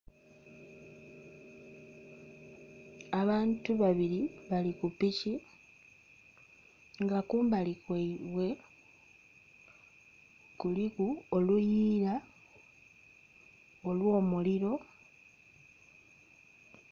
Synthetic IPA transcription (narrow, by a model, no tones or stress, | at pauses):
aβaːntuβaβiɾiβalikupici | ŋɡakuːmbalikweiβwe̞ | kulikuolujiːɾa | olwo̞ːmuliɾo̞